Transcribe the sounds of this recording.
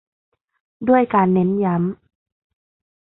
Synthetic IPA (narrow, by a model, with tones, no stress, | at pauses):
du˥˩əjkaː˧nːe˦˥nja˦˥m